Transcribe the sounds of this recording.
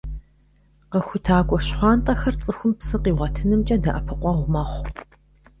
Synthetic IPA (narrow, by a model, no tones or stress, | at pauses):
qəxʷʊtʰaːɡʷʼɔɕχʷɑːnt̪ʼɐxɐrt͡sʼɨxʷʊmpsɨqiːʁʷɐtʰɨnɨmt͡ʃʼɐdɐʔɐpʰɨqʷɔʁʷʊmɐːχʷ